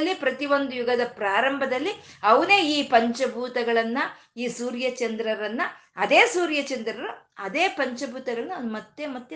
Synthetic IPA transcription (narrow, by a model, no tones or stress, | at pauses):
lːipɾɐt̪iʋo̞nd̪ujuɡɐd̪ɐpɾaːɾɐmbʱɐd̪ɐlːiɐʋɐne̞ːiːpɐɲt͡ʃɐbʱuːt̪ɐɡɐɭɐnːɐ | iːsuːɾjɐt͡ʃɐnd̪ɾɐɾɐnːɐɐd̪e̞ːsuːɾjɐt͡ʃɐnd̪ɾɐɾuɐd̪e̞ːpɐɲt͡ʃɐbʱuːt̪ɐɡɐɭɐnːɐɐmɐt̪ːemɐt̪ːj